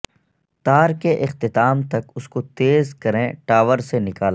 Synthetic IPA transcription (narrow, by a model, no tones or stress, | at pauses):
t̪aːɾkeʔɪxt̪ɪt̪aːmt̪ɐkʊskot̪eːzkɐɾẽʈaːʋəɾsenɪkaːl